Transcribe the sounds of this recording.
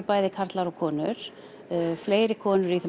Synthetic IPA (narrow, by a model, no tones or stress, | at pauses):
ɾpaːjðɪkʰaɾ̥t̪laɾɔɣkʰɔːnʏɾ̥ | fleːjɾɪkʰɔːnʏɾiθɛ